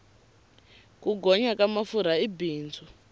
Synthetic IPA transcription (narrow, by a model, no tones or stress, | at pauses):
kuɡʱɔɲakamafuɾ̤aibiːnd͡zʰʱu